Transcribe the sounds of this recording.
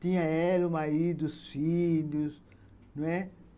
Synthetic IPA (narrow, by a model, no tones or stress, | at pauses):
t̪ĩɲɐ̃ɛlumaɾid̪ʊsfilus | nũɛ